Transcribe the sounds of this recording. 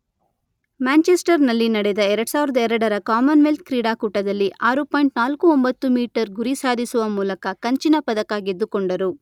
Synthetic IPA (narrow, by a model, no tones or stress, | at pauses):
maːnt͡ʃesʈɐɾnɐlːinɐɽɛd̪ɐɛɾɐɽsaːʋiɾɐd̪ɐɛɾɐɽɐɾɐkaːmɐnʋelt̪̚kɾiːɽaːkuːʈɐd̪ɐlːiʔaːɾupaːjɳʈnaːlkuombɐt̪ːumiːʈɐɾɡuɾisaːd̪ʱisuʋɐmuːlɐkɐkɐɲt͡ʃinɐpɐd̪ɐkaːɡed̪ːukoɳɖɐɾu